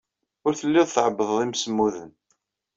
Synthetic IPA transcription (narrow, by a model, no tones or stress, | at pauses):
ʊɾθəlːɪðθəʕəbːəðˤimsəmːuðən